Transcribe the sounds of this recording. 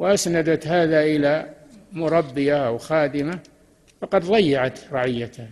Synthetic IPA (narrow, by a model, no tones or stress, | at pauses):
wʔasnad̪at̪haːðaʔɪlamʊɾˤɑbːɪjaʔawxaːd̪ɪma | fɑqɑd̪ðˤɑjːaʕat̪ɾˤɑʕɪjːat̪ah